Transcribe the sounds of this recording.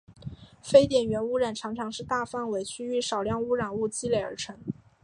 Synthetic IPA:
fe˥ɪt̪jɛ˨˩nɥɛ˧˥nu˥ɻa˨˩nʈ͡ʂʰɑ˧˥ŋʈ͡ʂʰɑ˧˥ŋʂɻ̩˥˧t̪a˥˩˧fa˥˩nwe˧˥ɪt͡ɕʰy˥y˥˩ʂɑ˨˩ʊljɑ˥˧ŋu˥ɻa˨˩nu˥˩t͡ɕi˥le˨˩ɪə̰˞˧˥ʈ͡ʂʰɤ˧˥ŋ

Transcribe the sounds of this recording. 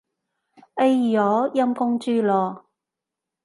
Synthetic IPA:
ʔe˥jjɔː˨˥jɐ˥mkʊ˥ŋt͡ʃyː˥lɔː˨˧

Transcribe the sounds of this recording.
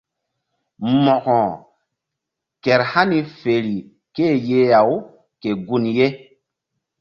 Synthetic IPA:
mɔ˨kɔ̃˨ | kɛ˨ɾha˦ni˨fe˨ɾi˨ | ke˦˨je˦ja˨w | ke˨ɡu˦nje˦

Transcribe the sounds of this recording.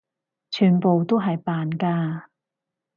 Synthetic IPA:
t͡ʃʰyː˨˩npo˨wt̪o˥wɦɐ˨jpaː˨nkaː˧

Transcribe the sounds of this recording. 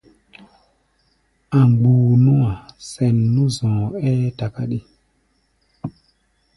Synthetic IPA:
a˨ŋɡ͡buː˨nũ˦a˨sɛ˨nːũ˦zɔ̃ː˨ɛ˦ta˨ka˦ɗi˦

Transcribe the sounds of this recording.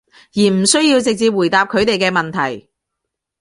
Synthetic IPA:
jiː˨˩m̩˨˩sɵ˥ɥjiː˧wt͡sɪ˨k̚t͡siː˧p̚wuː˨˩jt̪aː˨˧p̚kʰɵ˨˧ɥt̪e˨jkɛː˧mɐ˨nt̪ʰɐ˨˩j

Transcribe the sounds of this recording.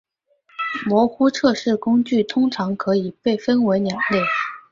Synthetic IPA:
mwɔ˧˥xu˥ʈ͡ʂʰɤ˥˧ʂɻ̩˥˩kʊ˥ŋt͡ɕy˥˩t̪ʰʊ˥ŋʈ͡ʂʰɑ˧˥ŋkʰɤ˧˥i˨˩pe˥˩ɪfə˥nwe˧˥ɪnjɑ˨˩˦ŋlje˥˩ɪ

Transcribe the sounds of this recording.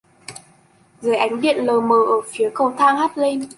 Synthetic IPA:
zɨː˨˦jʔa˨˦jŋ̟ɗḭ˧˨ənləː˨˩məː˨˩ʔəː˧˩fi˨˦əkə˧wt̪ʰaː˧ŋhaː˦˥t̚le˧n

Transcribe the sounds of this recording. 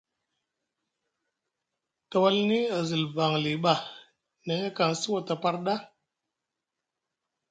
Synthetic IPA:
tə˨wa˦lni˦a˨zi˨lba˨ŋli˨ɓa˨ | ne˨˦ka˨ŋsi˦wo˨ta˨pa˧ɾɗa˦

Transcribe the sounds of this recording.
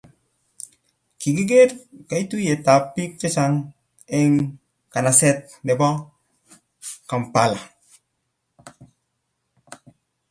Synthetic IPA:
ki˨ɡi˦ɡe˦t̚ka˨i˦tu˦je˨ta˨pːi˦k̚t͡ʃe˦sa˦ŋ | ɛ˦ŋ | ka˨na˨sɛ˦t̚nɛ˨bɔ˦ | ka˨mpa˨la˨

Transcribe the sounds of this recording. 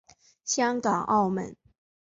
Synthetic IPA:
ɕjɑ˥ŋkɑ˨˩ŋʔɑ˥˩ʊmə̰˨˦n

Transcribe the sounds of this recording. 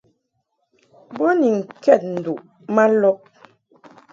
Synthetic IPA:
bɔ˦ni˨ŋ̩˨kɛ˦˨t̚n̩˨du˨ʔ | ma˦lɔ˦ʔ̚

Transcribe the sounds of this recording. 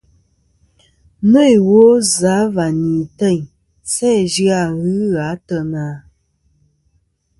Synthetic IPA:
nə˦˨jwo˨˦za˨˦va˨ni˨tə˦˨ɲ | sɛ˦d͡ʒɰa˦˨ɣɯ˦ɣa˨˦tə˦naː˨˦

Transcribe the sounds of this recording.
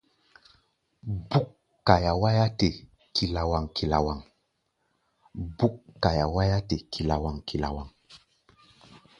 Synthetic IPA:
bu˦kː | a˨ja˨wa˦ja˦te˨ | ki˨la˨wa˨ŋki˨la˨wa˨ŋ | bu˦kːa˨ja˨wa˦ja˦te˨kʰi˨la˨wa˨ŋki˨la̰˨wa˨ŋ

